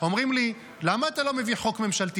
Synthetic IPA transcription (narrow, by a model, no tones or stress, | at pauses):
o̞mʁimli | lamaːt̪alo̞me̞viχokme̞mʃalt̪i